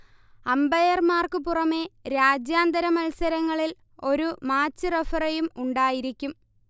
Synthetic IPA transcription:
ɐmbɐjɐrmaːrkɨpurɐme̞ɾaːd͡ʑjaːnd̪ɐɾɐmɐlsɐɾɐŋːɐɭil | o̞ɾumaːt͡ɕːɨrefɐrɐjumuɳɖaːjiɾikʲːum

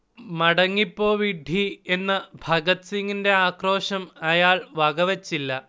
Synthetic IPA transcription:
mɐɽɐŋːipːo̞ːʋiɖʱie̞nːɨbʱɐɣɐt̪siŋɡinde̞aːkro̞ːʂɐmɐjaːɭʋɐɣɐʋet͡ɕːilːɐ

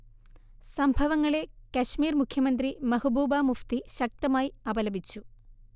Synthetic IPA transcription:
sɐmbʱɐʋɐŋːɐɭe̞kɐɕmiːrmukʰːjɐmɐnd̪rimɐhubuːbaːmuft̪iɕɐk̚t̪ɐmaːjiɐbɐlɐbit͡ɕːu

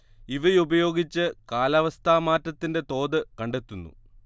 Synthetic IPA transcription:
iʋɐjubɐjo̞ːɡit͡ɕːɨkaːlɐʋɐst̪ʰaːmaːtːɐt̪ːinde̞t̪o̞ːd̪ɨkɐɳɖe̞t̪ːunːṵ

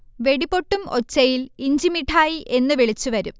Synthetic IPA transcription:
ʋe̞ɽipo̞ʈːumo̞̰t͡ɕːɐjiliɲd͡ʑimiʈʰːaːjiʔe̞nːɨʋiɭit͡ɕːuʋɐɾum

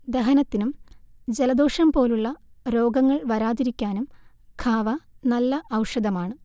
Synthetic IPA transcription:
d̪eɦɐnɐt̪ːinumd͡ʑelɐd̪o̞ːʂɐmpo̞ːluɭːɐɾo̞ːɡɐŋːɐɭʋɐɾaːðiɾikʲːaːnum | kʰaːʋɐnɐlːɐʔɐwʂɐd̪ɐmaːɳɨ

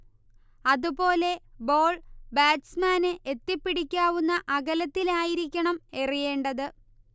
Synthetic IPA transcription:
ɐðupo̞ːle̞bo̞ːɭbaːʈsmaːnɨʔet̪ːipːiɽikʲːaːʋunːɐʔɐɣɐlɐt̪ːilaːjiɾikʲːɐɳɐme̞rije̞ːɳɖɐðɨ

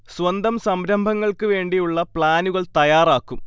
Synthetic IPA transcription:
swɐnd̪ɐmsɐmɾɐmbʱɐŋːɐɭkɨʋe̞ːɳɖijuɭːɐpɭaːnuɣɐɭt̪ɐjaːraːkːum

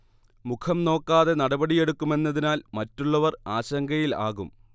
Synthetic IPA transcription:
mukʰɐmno̞ːkːaːðe̞nɐɽɐbɐɽije̞ɽukːume̞nːɐðinaːlmɐtːuɭːɐʋɐraːɕɐŋɡɐjila̰ːɣum

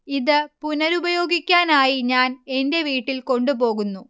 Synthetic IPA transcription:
iðɨpunɐɾubɐjo̞ːɡikʲːaːnaːjiɲaːne̞nde̞ʋiːʈːilko̞ɳɖubo̞ːɣunːu

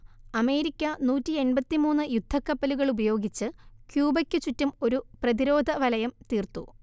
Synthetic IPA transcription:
ɐme̞ːɾikʲːɐnuːtːie̞nbɐt̪ːimuːnːɨjud̪ʱːɐkːɐpːɐluɣɐɭubɐjo̞ːɡit͡ɕːɨkjuːbɐkʲːɨt͡ɕutːumo̞ɾuprɐðiɾo̞ːd̪ʱɐʋɐlɐjɐmt̪iːrt̪u

